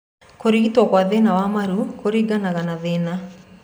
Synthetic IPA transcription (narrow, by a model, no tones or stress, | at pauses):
koɾiɣitwɔkwaðenawamaɾukoɾiɡanaɣanaðena